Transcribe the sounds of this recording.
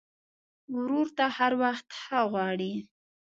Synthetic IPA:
ʊɾuɾt̪ahaɾwaxt̪haɣwɑɽi

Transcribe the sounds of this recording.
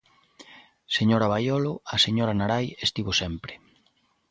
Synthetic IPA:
seɲoɾaβajɔlʊaseɲoɾanaɾajest̪iβosɛmpɾɪ

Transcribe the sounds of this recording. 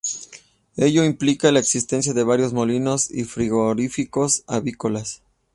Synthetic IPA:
e̞ʝo̞implikalaeksist̪e̞ns̬jaðe̞βaɾjo̞zmo̞lino̞sḭfɾiɣo̞ɾifiko̞saβiko̞las

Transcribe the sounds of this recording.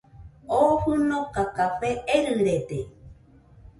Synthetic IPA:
oɸɨnõkakaɸeeɾɨɾede

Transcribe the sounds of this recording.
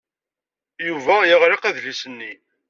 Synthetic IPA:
juvæjəʁɾɑqæðlisənːi

